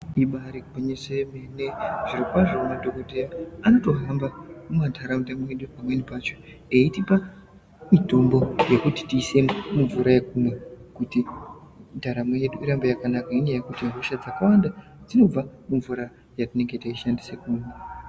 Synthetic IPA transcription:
iɓaɾipaɲesemeneʐ̥irikwaʐoumadʱo̞kotejaanoto̞ɦambamumantʰaɾamutamoje̞ɗupamwe̞nipat͡ʃo̞ | eitipa | mito̞mbo̞jekuti̥tiːse̞mmuɱvuɾaje̞kumwekuti | ndaɾamoje̞ɗuiɾambojakanakaiɲajekutiŋɡʱoʃad͡zakawanda | d͡zino̞b͡vamuɱvuɾa | jatine̞ŋɡe̞taiʃandisekune

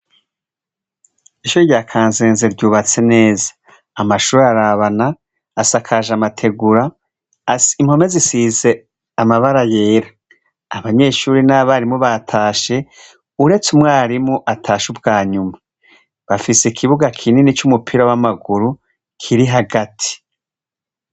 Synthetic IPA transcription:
iʃuɾiɟaːkʰaːnzeːnzeɾɟuːβat͡se̞ne̞ːzḁː | maʃuːɾeaɾaβanaː | sakʰaʒamatʰe̞ɡuɾa | imho̞me̞zisiːze̞ | amaβaɾaje̞ːɾaː | βaɲe̞ʃuːɾinaβaɾimoβatʰaːʃe̞ | uɾe̞t͡sumwaːɾimoʔatʰaːʃubɡaːɲuma | βafisekʰiβuɡakʰininit͡ʃumupʰiɾawamaɡuɾu | kʰiɾiɦaɡatʰi̥

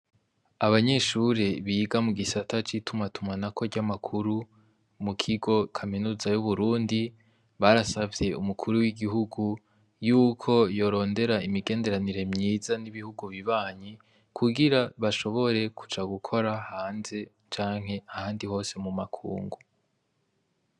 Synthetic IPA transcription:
aβaɲe̞ʃuɾeβiːɡamuɡisatʰat͡ʃitumatumanako̞ɟamakʰuɾu | mukʰiɡo̞kʰaminuːzajuβuɾuːndi | βaɾasavje̞umukʰuɾuwiɡiɦuɡu | juːkʰo̞jo̞ɾo̞ːnde̞ɾaimiɡe̞ːnde̞ɾaniɾe̞mɲiːzaniβihuɡuβiβaːɲi | kʰuɡiɾaβaʃo̞βo̞ɾe̞kʰu̥t͡ʃaɡukʰo̞ɾahaːnze̞ | t͡ʃaːŋ̥he̞ahaːndiho̞ːse̞mumakʰṵːŋɡu

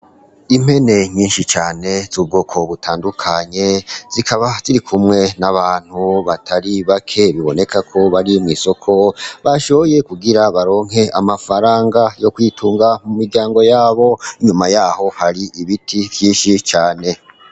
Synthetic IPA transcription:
im̥he̞ne̞ɲiːnʃit͡ʃaːne̞zub̚ɡoːkʰo̞βutʰaːndukʰaɲe̞zikʰaβaziɾikʰumŋe̞naβaːn̥huβatʰaɾiβakʰe̞βiβo̞ne̞kakʰo̞βaɾimŋiːso̞kʰo̞βaʃoβoje̞kuɡiɾaβaɾo̞ːŋ̥ɦe̞ʔamafaɾaːŋɡajo̞kwitʰuːŋɡamumiɾɟaːŋɡo̞jaːβo̞iɲumajaːho̞haɾiʔiβitʰivjiːnʃit͡ʃaːne̞

